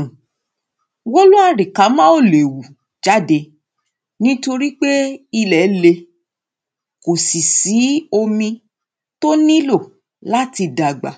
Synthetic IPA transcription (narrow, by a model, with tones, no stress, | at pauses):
wo˦lo˦a˦˨ɾi˨ka˨˦mã˦o˦˨le˨wu˨ | d͡ʒa˦de˧ | nĩ˦to˧ɾi˦k͡pe˦i˧lɛ˨˦le˧ | ko˨si˨si˨˦o˧mĩ˧ | to˦nĩ˦lo˦˨ | la˦ti˧da˨ɡ͡ba̰˨